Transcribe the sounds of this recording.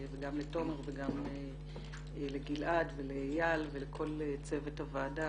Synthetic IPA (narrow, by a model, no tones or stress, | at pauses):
veɡamleto̞meʁveɡame | leɡilʔadvelejalvelekʰo̞let͡se̞vethavaːda